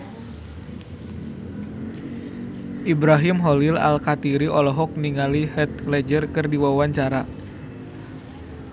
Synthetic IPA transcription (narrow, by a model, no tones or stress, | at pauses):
ʔibɾaɦimɦɔlila̰lkat̪iɾiɔlɔɦɔk̚niŋalihɛt̪̚klɛd͡ʒərkɨrdiwawaɲt͡ʃaɾa